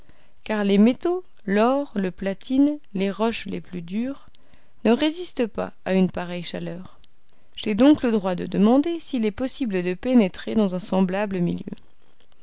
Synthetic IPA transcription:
kaʁlemet̪o | lɔʁləplat̪ʰinleʁɔʃlḛplyd̪yːʁ | nəʁezist̪əpa̰aynpaʁɛjʃalœːʁ | ʒ̥ed̪ɔ̃kləd̪ʁwad̪ə̰d̪əmɑ̃d̪esiːlɛpɔsibləd̪əpenet̪χed̪ɑ̃zɛ̃sɑ̃blabləmḭljø̰

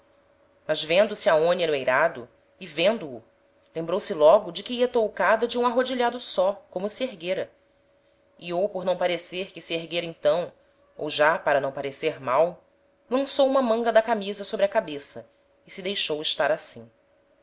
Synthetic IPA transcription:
mɐzvẽnd̪ʊsɪaõnjɐnʊejɾad̪ʊ | ɪvẽnd̪ʊː | lẽmbɾowsɪlɔɡʊd͡ʒɪkɪiɐt̪owkad̪ɐd͡ʒɪũaɦod͡ʒiʎad̪ʊsɔkõmʊsieɦɡeɾɐ | iowpoɾnɐ̃w̃paɾeseɾkɪsieɦɡeɾɐẽt̪ɐ̃w̃ | owʒapaɾɐnɐ̃w̃paɾeseɾmaw | lɐ̃sowũmɐmɐ̃ŋɡɐd̪ɐkamizɐsobɾɪɐkabesɐ | ɪsɪd̪ejʃowɪʃt̪aɾasḭ̃

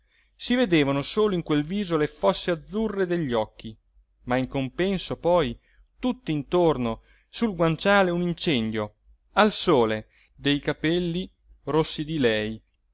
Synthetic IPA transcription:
sived̪eːvanosoːloiŋkwelviːzolefɔsːead̪zːurːed̪eʎːɔkːi | maiŋkompɛnsopɔj | t̪ut̪ːiint̪orno | sulɡwant͡ʃaːleunint͡ʃɛnd̪jo | alsoːle | d̪ejkapɛlːi | rosːid̪ilɛj

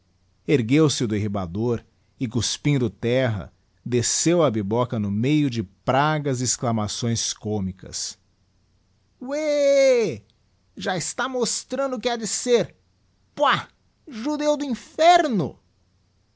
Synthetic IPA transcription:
eɾɡewsɪʊd̪eɦiba̰d̪oɾ | ɪkʊspĩd̪ʊt̪ɛɦɐ̰ | d̪esewɐbibɔkɐnʊmejʊd͡ʒɪpɾaɡɐzɪsklamasõj̃skomikɐ̰s | we | ʒaɪst̪amost̪ɾɐ̃nd̪ʊkɪɛd͡ʒɪseɾ | pa | ʒud̪ewd̪ʊĩfɛɾnʊ̰

